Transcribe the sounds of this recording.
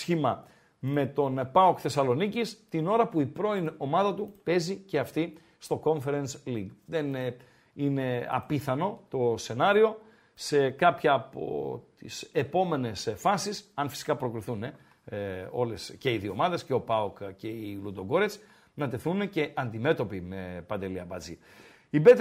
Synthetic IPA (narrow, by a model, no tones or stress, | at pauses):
sçimɐ | me̞t̪o̞npɐokθe̞sɐlo̞nicist̪ino̞ɾɐpuipɾo̞ino̞mɐðɐt̪upe̞zice̞ɐft̪i | st̪o̞ko̞ɱfe̞ɾensliɡðe̞n | ine̞ɐ̰piθɐno̞t̪o̞se̞nɐɾio̞ | se̞kɐpçɐːpo̞̰t̪ḭse̞po̞me̞ne̞sfɐsisɐnfi̥si̥kɐpɾo̞kɾiθune̞ | o̞le̞sce̞iðio̞mɐðe̞sceo̞pɐokce̞ilud̪oɡo̞ɾet͡s | nɐt̪e̞θune̞ce̞ʔɐnd̪ime̞t̪o̞pimepɐnd̪e̞liɐpɐd͡zḭ | ibet̪